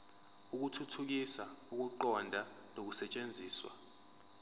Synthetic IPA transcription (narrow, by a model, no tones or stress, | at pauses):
uk̬utʰutʰuk̬isauk̬uǃɔndʱa | nok̬usɛt͡ʃʼend͡zʱiːswa̰